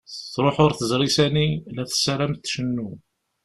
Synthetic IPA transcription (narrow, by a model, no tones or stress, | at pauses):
θɾˤoħʊɾθəzɾˤisænilæθə̥sːæɾæmθʃənːu